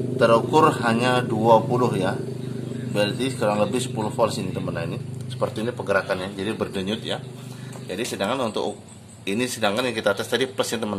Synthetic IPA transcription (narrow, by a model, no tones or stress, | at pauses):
t̪əɾukʊrhaɲaduapulʊhja | bɛldisə̥kaɾaŋləbɪhsə̥pulʊhfɔlsinit̪əmənainisə̥pərt̪iːnipəɡəɾakanɲad͡ʒadibərdəɲʊt̪jad͡ʒadisədaŋkanunt̪ʊ̰kk̚ | inisədaŋkanjaŋkit̪at̪ast̪adipləsant̪əməna